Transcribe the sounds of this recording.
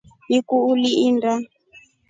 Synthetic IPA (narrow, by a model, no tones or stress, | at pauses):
nikuːliʔinda